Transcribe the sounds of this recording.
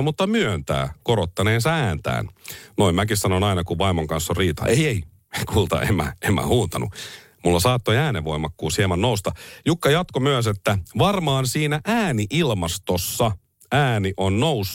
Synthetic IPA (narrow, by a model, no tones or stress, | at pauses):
mut̪ːɑmyønt̪æ̰ːkoɾot̪ːɑneːnsɑæːnt̪æ̰ːnnoimmækissɑnonɑinɑkuʋɑimoŋkɑnsːorriːt̪ɑ̰ejei | kʰuːlt̪ɑ̰ʔḛmːæ̰emːæ̰huːnt̪ɑnṵ | mulːɑsɑːt̪ːoiæːneːo̞imɑkːuːshiemɑnnoust̪ɑjukːɑjɑt̪komyøs̬et̪ːæʋɑrmɑːnsiːnæʔæːniʔilmɑst̪osːɑ | æːniʔonnous